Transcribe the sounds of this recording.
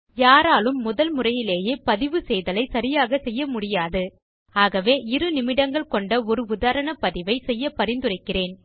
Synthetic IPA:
jaːɾaːlɯmːʊðɐlmʊrɐjɪleːjeːpɐðɪʋɯsɛjðɐlɐɪsɐɾɪjaːɣɐsɛjːɐmʊɽɪjaːðɯ | aːɣɐʋeːʔɪɾɯnɪmɪɽɐŋɡɐɭkɔɳɖɐɔɾɯʊðaːɾɐɳɐpɐðɪʋɐɪsɛjːɐpːɐɾɪnd̪ɯrɐɪkːɪreːn

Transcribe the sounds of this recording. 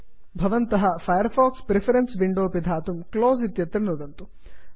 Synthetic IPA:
bʱɐʋɐnt̪ɐɦɐpʰɐjɐɾpʰaːkspɾepʰɐɾensʋiɳɖoːpid̪ʱaːt̪umkloːzit̪jɐt̪ɾɐnud̪ɐnt̪u

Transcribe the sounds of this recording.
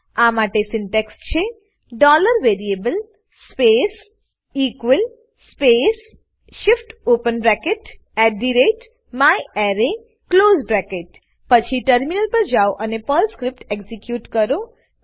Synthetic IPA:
amaʈesɪɳʈɛkst͡ʃʰe | ɖɔləɾʋeɾiebəl | spes | ikʋəl | spes | ʃɪfʈopənbɾɛkeʈ | ɛʈ̚ɖiɾeʈ | majɛɾe | kloːzbɾɛkeʈ̚ | pət͡ʃʰiʈəɾminəlpəɾd͡ʒaoʔənepəlskɾɪp̚ʈekzikjuːʈkəɾo

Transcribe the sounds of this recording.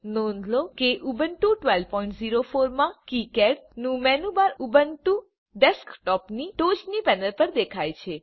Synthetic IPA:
nɔ̃nd̪lokeʔubənʈuʈʋɛlpɔiɳʈziɾofoɾmãkikɛɾnũmɛnubaɾubənʈũ | ɖɛskʈɔpniʈod͡ʒnipɛnəɾpəɾd̪ekʰajt͡ʃʰe

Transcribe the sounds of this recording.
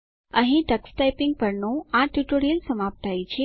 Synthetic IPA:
ə̃ɦĩʈəksʈajpiŋɡ̚pəɾnũãʈjuʈoɾijəlsəmap̚t̪ait͡ɕʰe

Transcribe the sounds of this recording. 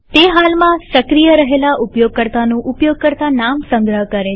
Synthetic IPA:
t̪eɦalmãsəkɾijəɾəɦelaʔʊpjoɡ̚kəɾt̪anũʔʊpjoɡ̚kəɾt̪anamsə̃ŋɡɾəɦkəɾe

